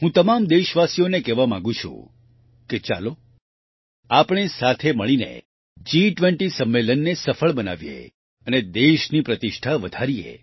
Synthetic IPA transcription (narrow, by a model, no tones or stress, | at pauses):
ɦũt̪əmamd̪eʃʋasijonekɛʋamãŋɡũt͡ʃʰṵ̃ | ket͡ʃa̰lo | apɳ̃esat̪ʰeməɭinḛ | d͡ʒiʈʋɛ̃ɳʈisəmːelənːesəfəɭbəna̰ʋjḛ | əned̪eʃnipɾət̪ɪʃʈʰaʋəd̪ʱaɾijḛ